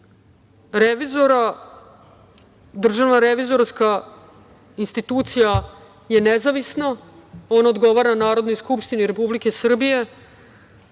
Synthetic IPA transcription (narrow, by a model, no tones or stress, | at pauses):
ɾeʋizoɾa | d̪r̩ʒaʋnaɾeʋizo̞ɾska | inst̪it̪uːt̪sija | je̞nezaʋisnao̞naod̪ɡo̞ʋaɾanaːɾo̞d̪no̞jskupʃt̪iniɾe̞publike̞sr̩bije̞